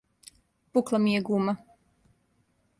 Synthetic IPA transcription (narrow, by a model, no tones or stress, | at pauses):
puklˠamijeɡuːma